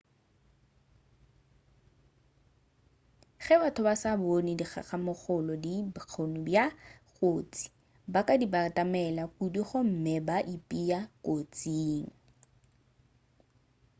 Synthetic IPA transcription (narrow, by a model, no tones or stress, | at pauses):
χɛbatʰʊbasabonɪdiχʰa̰χamʊχʊlɔdibq͡χʰonʊbjakʼoːt͡sʼi̥ | bakʼadibatʼamɛlakudiχʊm̩mɪbaʔipʼiakʼot͡sʼiːŋ̩